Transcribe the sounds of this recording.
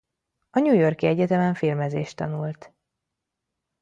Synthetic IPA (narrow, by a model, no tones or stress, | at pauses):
ɒɲujo̞rkiɛɟɛt̪ɛmɛɱfilmɛzeːʃt̪ɒnult̪